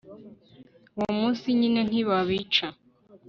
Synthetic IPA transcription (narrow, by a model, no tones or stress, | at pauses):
womuːsiɲinen̥iβaβit͡ʃa